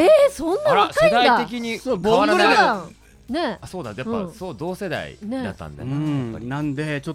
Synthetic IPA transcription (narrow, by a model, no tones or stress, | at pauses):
esõnːaakːaeĩd̪aiat̪ek̬ʲiɲ̟isoboã | ne̞asoːd̪ajapːãsoːd̪oːse̞d̪a̰ḭned̪a̰t̪ːã̰nd̪a̰ɯ̃nãnd̪e̞t͡ɕotː